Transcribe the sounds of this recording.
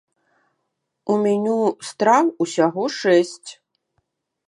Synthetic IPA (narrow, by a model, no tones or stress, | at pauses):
umʲɛnʲust̪ɾawusʲaɣɔʂɛsʲt͡sʲ